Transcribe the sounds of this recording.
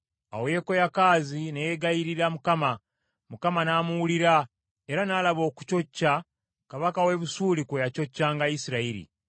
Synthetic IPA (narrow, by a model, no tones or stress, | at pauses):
a̰wojeko̞jakaːzinejeɡajiɾiɾamukama | mukamanaːmuwuliɾa | e̞ɾanalaβo̞ːku̥t͡ʃo̞cːa | kaβakawe̞βusuːlikojaco̞cːaːŋɡaisiɾaiɾḭ